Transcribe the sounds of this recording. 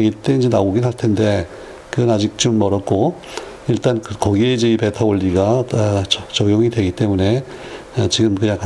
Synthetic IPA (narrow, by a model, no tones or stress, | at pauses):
ɡit͈e̞ind͡ʑe̞naoɡinɦaɭtʰe̞nde̞ | kɯɡʌnad͡ʑik̚t͡ɕ͈omːʌɾʌt̚k͈o | iɭt͈ankɯkʌɡieid͡ʑeipe̞tʰaoʎːiɡa | t͡ɕʌɡjoŋidwe̞ɡit͈e̞mune̞ | t͡ɕiɡɯmkɯɲaŋkʰa